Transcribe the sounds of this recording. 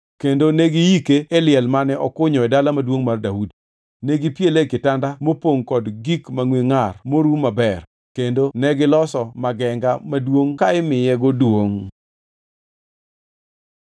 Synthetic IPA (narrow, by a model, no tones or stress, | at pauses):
kendoneɡijikeːlɪɛlmanɛʔɔkʊɲɔɛdalamadwoŋmardaudi | neɡipjelekɪtandamopoŋkɔdɡikmaŋwiŋarmoɾumabɛr | kendonɛɡɪlɔsɔmaɡɛŋɡamadwoŋkaɪmɪjɛɡodwoŋ